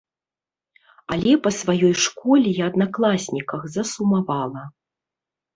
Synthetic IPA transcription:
alʲɛpɐsvajɔjʂkɔlʲijaːd̪naklˠasʲnʲikɐxzɐsumavalˠɐ

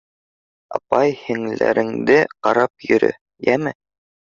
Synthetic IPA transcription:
ɑpɑjhɘ̆ŋlæ̰ɾɘ̆ŋd̪ɘqɑɾɑp̚jɵ̆ɾɵ̰ | jæmɘ

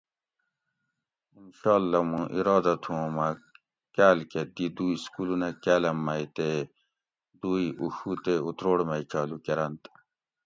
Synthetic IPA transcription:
inɕɑːlːɐmũʔiɾɑːd̪ɐt̪ʰũõma | kæːlket̪id̪uiskulunakæːlɐmːɐit̪e | d̪uiʔuxut̪eut̪ɾoːɽmɐit͡ʃɑːlukeɾɐnt̪

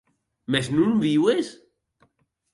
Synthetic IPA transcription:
meznũnβiwes

